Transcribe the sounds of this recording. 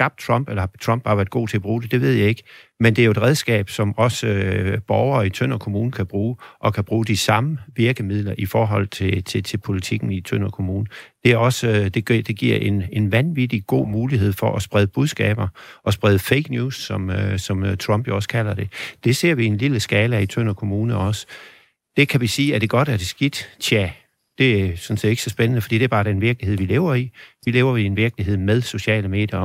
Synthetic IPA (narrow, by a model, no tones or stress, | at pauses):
ɑ̈b̥d̥̚t͡sʰʁɒ̽m̰b̥elɐhɑt͡sʰʁɒ̽m̰b̥hɑ̈ʋeæɐd̥̚ɡ̥o̝̰ːt͡sʰe̝ɒb̥ʁuːd̥e̝d̥e̝ʋe̝ð̞̰ˠjɑ̈ɪe̝ɡ̥mend̥e̝æɐjo̝e̥ʁɛð̞ˠsɡ̥ɛ̰ːb̥sɒ̽mɒ̽səb̥ɒʊɐːit͡sʰøn̰ɒkʰo̝muːn̩kʰæb̥ʁuːʔɒ̽kʰæb̥ʁuːd̥isɑ̈məʋiɐɡ̥əmið̞̰ˠlɐʔifɒːɦɒ̽l̰t͡sʰe̝t͡sʰe̝t͡sʰe̝lpʰo̝lit͡sʰiɡ̥n̩it͡sʰøn̰ɒkʰo̝muːnəd̥e̝æɐɒ̽sd̥e̝ɡ̥id̥e̝ɡ̥iɐ̰e̝ne̝nʋænʋid̥iɡ̥o̝̰ːmuːliɦe̝ð̞̰ˠfɒ̽ʔɒsb̥ʁɛðˠəb̥uðˠsɡ̥ɛ̰ːb̥ɐʔɒ̽sb̥ʁɛð̞ˠəfeɪɡ̥njuːsːɒ̽msɒ̽mt͡sʰʁɒ̽mb̥jo̝ɒ̽skʰælɐd̥e̝d̥e̝se̝ɐ̰ʋienliləsɡ̥ɛːləit͡sʰøn̰ɐkʰo̝muːnəɒ̽sə̥ | d̥e̝kʰæʋisiːæd̥e̝ɡ̥ɒ̽ɾ̥æɐd̥e̝sɡ̥id̥t͡sʰæ | d̥e̝æsɒ̽nse̝̰ːd̥e̝̥əsɒ̽sb̥enənəfd̥ḭːd̥eæɐb̥ɑ̈ːd̥eenʋiɐɡ̥lihe̝̰ʋile̝ːʊɐiʋile̝ːʊɐienʋiɐɡ̥əliɦe̝ð̞̰ˠmeðˠso̝ɕɛ̰ːləme̝̰ːd̥jɐ